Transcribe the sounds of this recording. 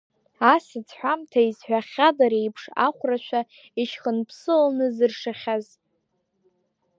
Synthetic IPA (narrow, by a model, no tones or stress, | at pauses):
asɨt͡sʰħʷᶣamtʰaizħʷᶣaχʲadaɾejpʰʂa̰χʷraʃʷʰᶣa | iʃχənpʰsɨlnɨzɨrʂaχʲaz